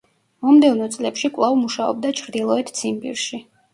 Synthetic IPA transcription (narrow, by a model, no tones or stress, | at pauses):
mɔmd̪ɛvnɔt̪sʼlɛpʃikʼlˠavmuʃaɔ̰b̚d̪at͡ʃʰɾd̪ilˠɔɛt̪ʰt̪sʰimpʼḭɾʃi